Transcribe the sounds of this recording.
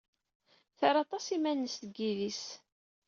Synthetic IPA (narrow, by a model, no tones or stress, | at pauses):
θəɾɑt̪ˤɑsimænːəsθəɡːiðis